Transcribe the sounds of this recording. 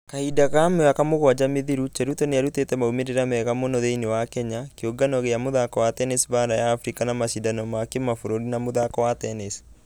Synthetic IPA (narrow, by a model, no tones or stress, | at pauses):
kaidaɣamɛakamoɣwad͡ʒameðiɾut͡ʃɛɾutoneaɾutetɛmaumeɾeɾamɛɣamonɔðeinewakɛɲakeoɡanɔɣeamoðakɔwatɛnisβanajaːfɾikanamaʃidanɔmakemafoɾoɾinamoðakɔwatɛnes